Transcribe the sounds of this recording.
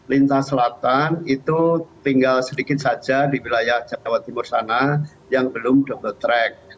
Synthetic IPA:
lint̪asəlat̪anit̪ut̪iŋɡalsədikɪt̪̚sad͡ʒadiwilajahd͡ʒapawat̪ːimʊrsana | jaŋbəlʊmdɔbɔt̪ɾɛk̚

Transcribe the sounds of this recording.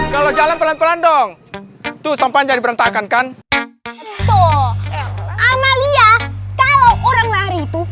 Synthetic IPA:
kalod͡ʒalanpəlanpəlandɔŋt̪usampaɲd͡ʒadipəɾant̪akankan | t̪o | ʔamaliakalawoɾaŋlaɾiːt̪u

